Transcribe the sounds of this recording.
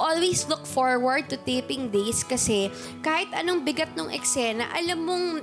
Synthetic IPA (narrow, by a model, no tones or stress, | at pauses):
ʔolweslʊkfoɹwɐɹd̪̚t̪ʊt̪eːpɪŋd̪ejskɐsɛ | kaːhɪt̪ʔɐnoŋbɪɡɐt̪̚noŋʔɛ̰ksɛnɐ̰ʔɐlɐmːoŋ